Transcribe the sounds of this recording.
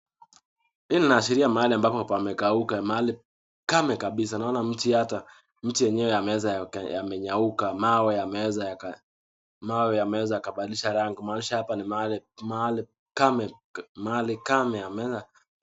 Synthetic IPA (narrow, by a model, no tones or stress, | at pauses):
ininaːʃiɾiamaaliambapɔpamɛkaukamaali | kamɛkaɓisanaɔnam̩tiata | m̩tijɛɲɛwɛamɛwɛzaja̰mɛɲaukamawɛjamɛwɛzaak | mawɛjamɛwɛzajakaɓaɗiliʃaɾaŋɡimaːnuiʃahapanimalimaali | kamɛmaalikamɛamɛɛza